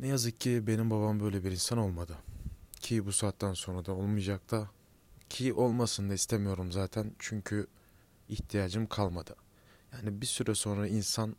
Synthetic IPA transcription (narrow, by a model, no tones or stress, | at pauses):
nɛjazɯkcʰːibe̞nimbaβambø̞jlʲebiɾinsano̞lˠmad̪ɯcʰibusaːt̪ːanso̞nɾad̪ao̞lˠmɯjd͡ʒak̚t̪ʰa | cʰiʔo̞lˠmasɯnd̪aist̪ʰemijo̞ɾumzaːt̪ʰænt͡ʃʰyɲcʰy | iht̪ʰijaːd͡ʒɯmkʰalˠmad̪̥ɯ | jaːnibisyɾɛso̞nɾainsan